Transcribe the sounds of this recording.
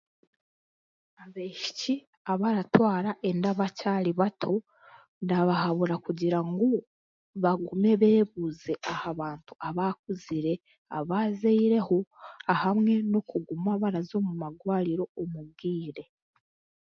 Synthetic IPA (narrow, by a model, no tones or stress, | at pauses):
aβeʃi̥ci | aβaɾatwaːɾaʔe̞ndaβacaɾiβatʰo̞ | ndaβaɦaβuɾakuɟiɾaŋɡo | βaɡume̞βe̞ːβuze̞ʔahaβaːntuaβak̚uziɾe̞ | a̰βaːzeiɾe̞hoahamŋe̞no̞kuɡumaβaɾazo̞ːmumaɡwaːɾiɾo̞omub̚ɡiːɾe̞